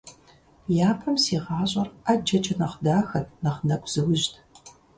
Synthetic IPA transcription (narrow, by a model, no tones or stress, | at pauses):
jaːpʰɐmsiːʁɑːɕʼɐrad͡ʒɐt͡ʃʰʼɐnɐχdaːxɐtnɐχnɐkʷʰʼz̥ɨwʊʑtʰ